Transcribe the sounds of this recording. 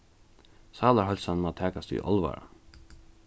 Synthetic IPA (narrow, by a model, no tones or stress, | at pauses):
sɑːlɑhɔʎsɑnmɑːt̪ʰæːkɑst̪y̰ːʔɔlʋɑ̰ɾɑ̰